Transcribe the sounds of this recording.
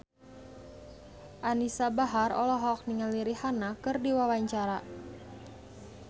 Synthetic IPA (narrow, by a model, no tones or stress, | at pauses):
ʔanisabaɦarɔ̰lɔɦɔk̚niŋaliɾihanakɨrdiwawaɲt͡ʃaɾa